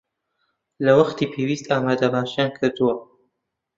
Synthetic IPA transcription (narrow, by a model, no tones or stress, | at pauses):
lɐwɐχt̪iːpʰewiːst̪aːmaːd̪ɐbaːʃjaːnkʰɨɾd̪uwɐ